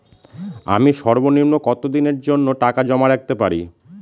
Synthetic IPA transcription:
a̰miʃɔɾboniɾnokɔt̪od̪ineɾd͡ʑonːoʈakad͡ʑɔmaɾak̚t̪epaɾḭ

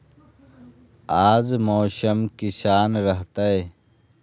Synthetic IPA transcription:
aːzmoːʃəmkiʃaːnɾəɦt̪ae

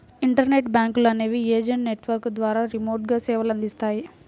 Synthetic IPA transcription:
iɳʈɐɾneʈbjaːŋkulɐneːʋieːd͡ʒɐɳʈneʈʋɐɾkd̪ʋaːɾaːɾimo̞ːɾʈ̚ɡaːsɛːʋɐlɐnd̪ist̪aːji

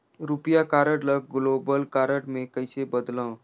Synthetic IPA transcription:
ɾupjakaːɾəʈləɡ̚ɡloːbəlkaːɾəʈmẽkəɪsebəd̪lãː

